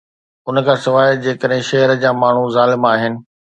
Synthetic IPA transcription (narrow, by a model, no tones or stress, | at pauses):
ʊnəkʰãːsɪʋaːjd͡ʑeːkəɗɦɪ̃ʃɐɦəɾəd͡ʑaːmaːɳ̤uzaːlɪmaːɦɪnɪ̆